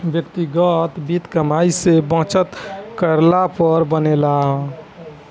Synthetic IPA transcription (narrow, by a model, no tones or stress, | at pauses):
bjəkt̪iɡət̪bit̪kəmaisebə̃t͡ʃət̪kəɾlapəɾbənela